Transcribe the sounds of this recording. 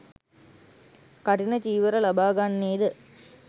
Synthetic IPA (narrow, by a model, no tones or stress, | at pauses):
kɐʈinɐt͡ʃiːʋɐɾɐlɐbaːɡaɳːiːd̪ɯ